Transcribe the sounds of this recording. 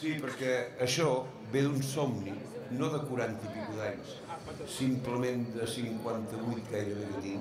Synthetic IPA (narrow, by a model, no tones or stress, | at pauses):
sipəɾkɛəʃɔ | βeðunsomninoðəkuɾant̪ipikuðaɲs | simpləmend̪əsiŋkwant̪əβujt̪̚ɡajɾəβeβət̪i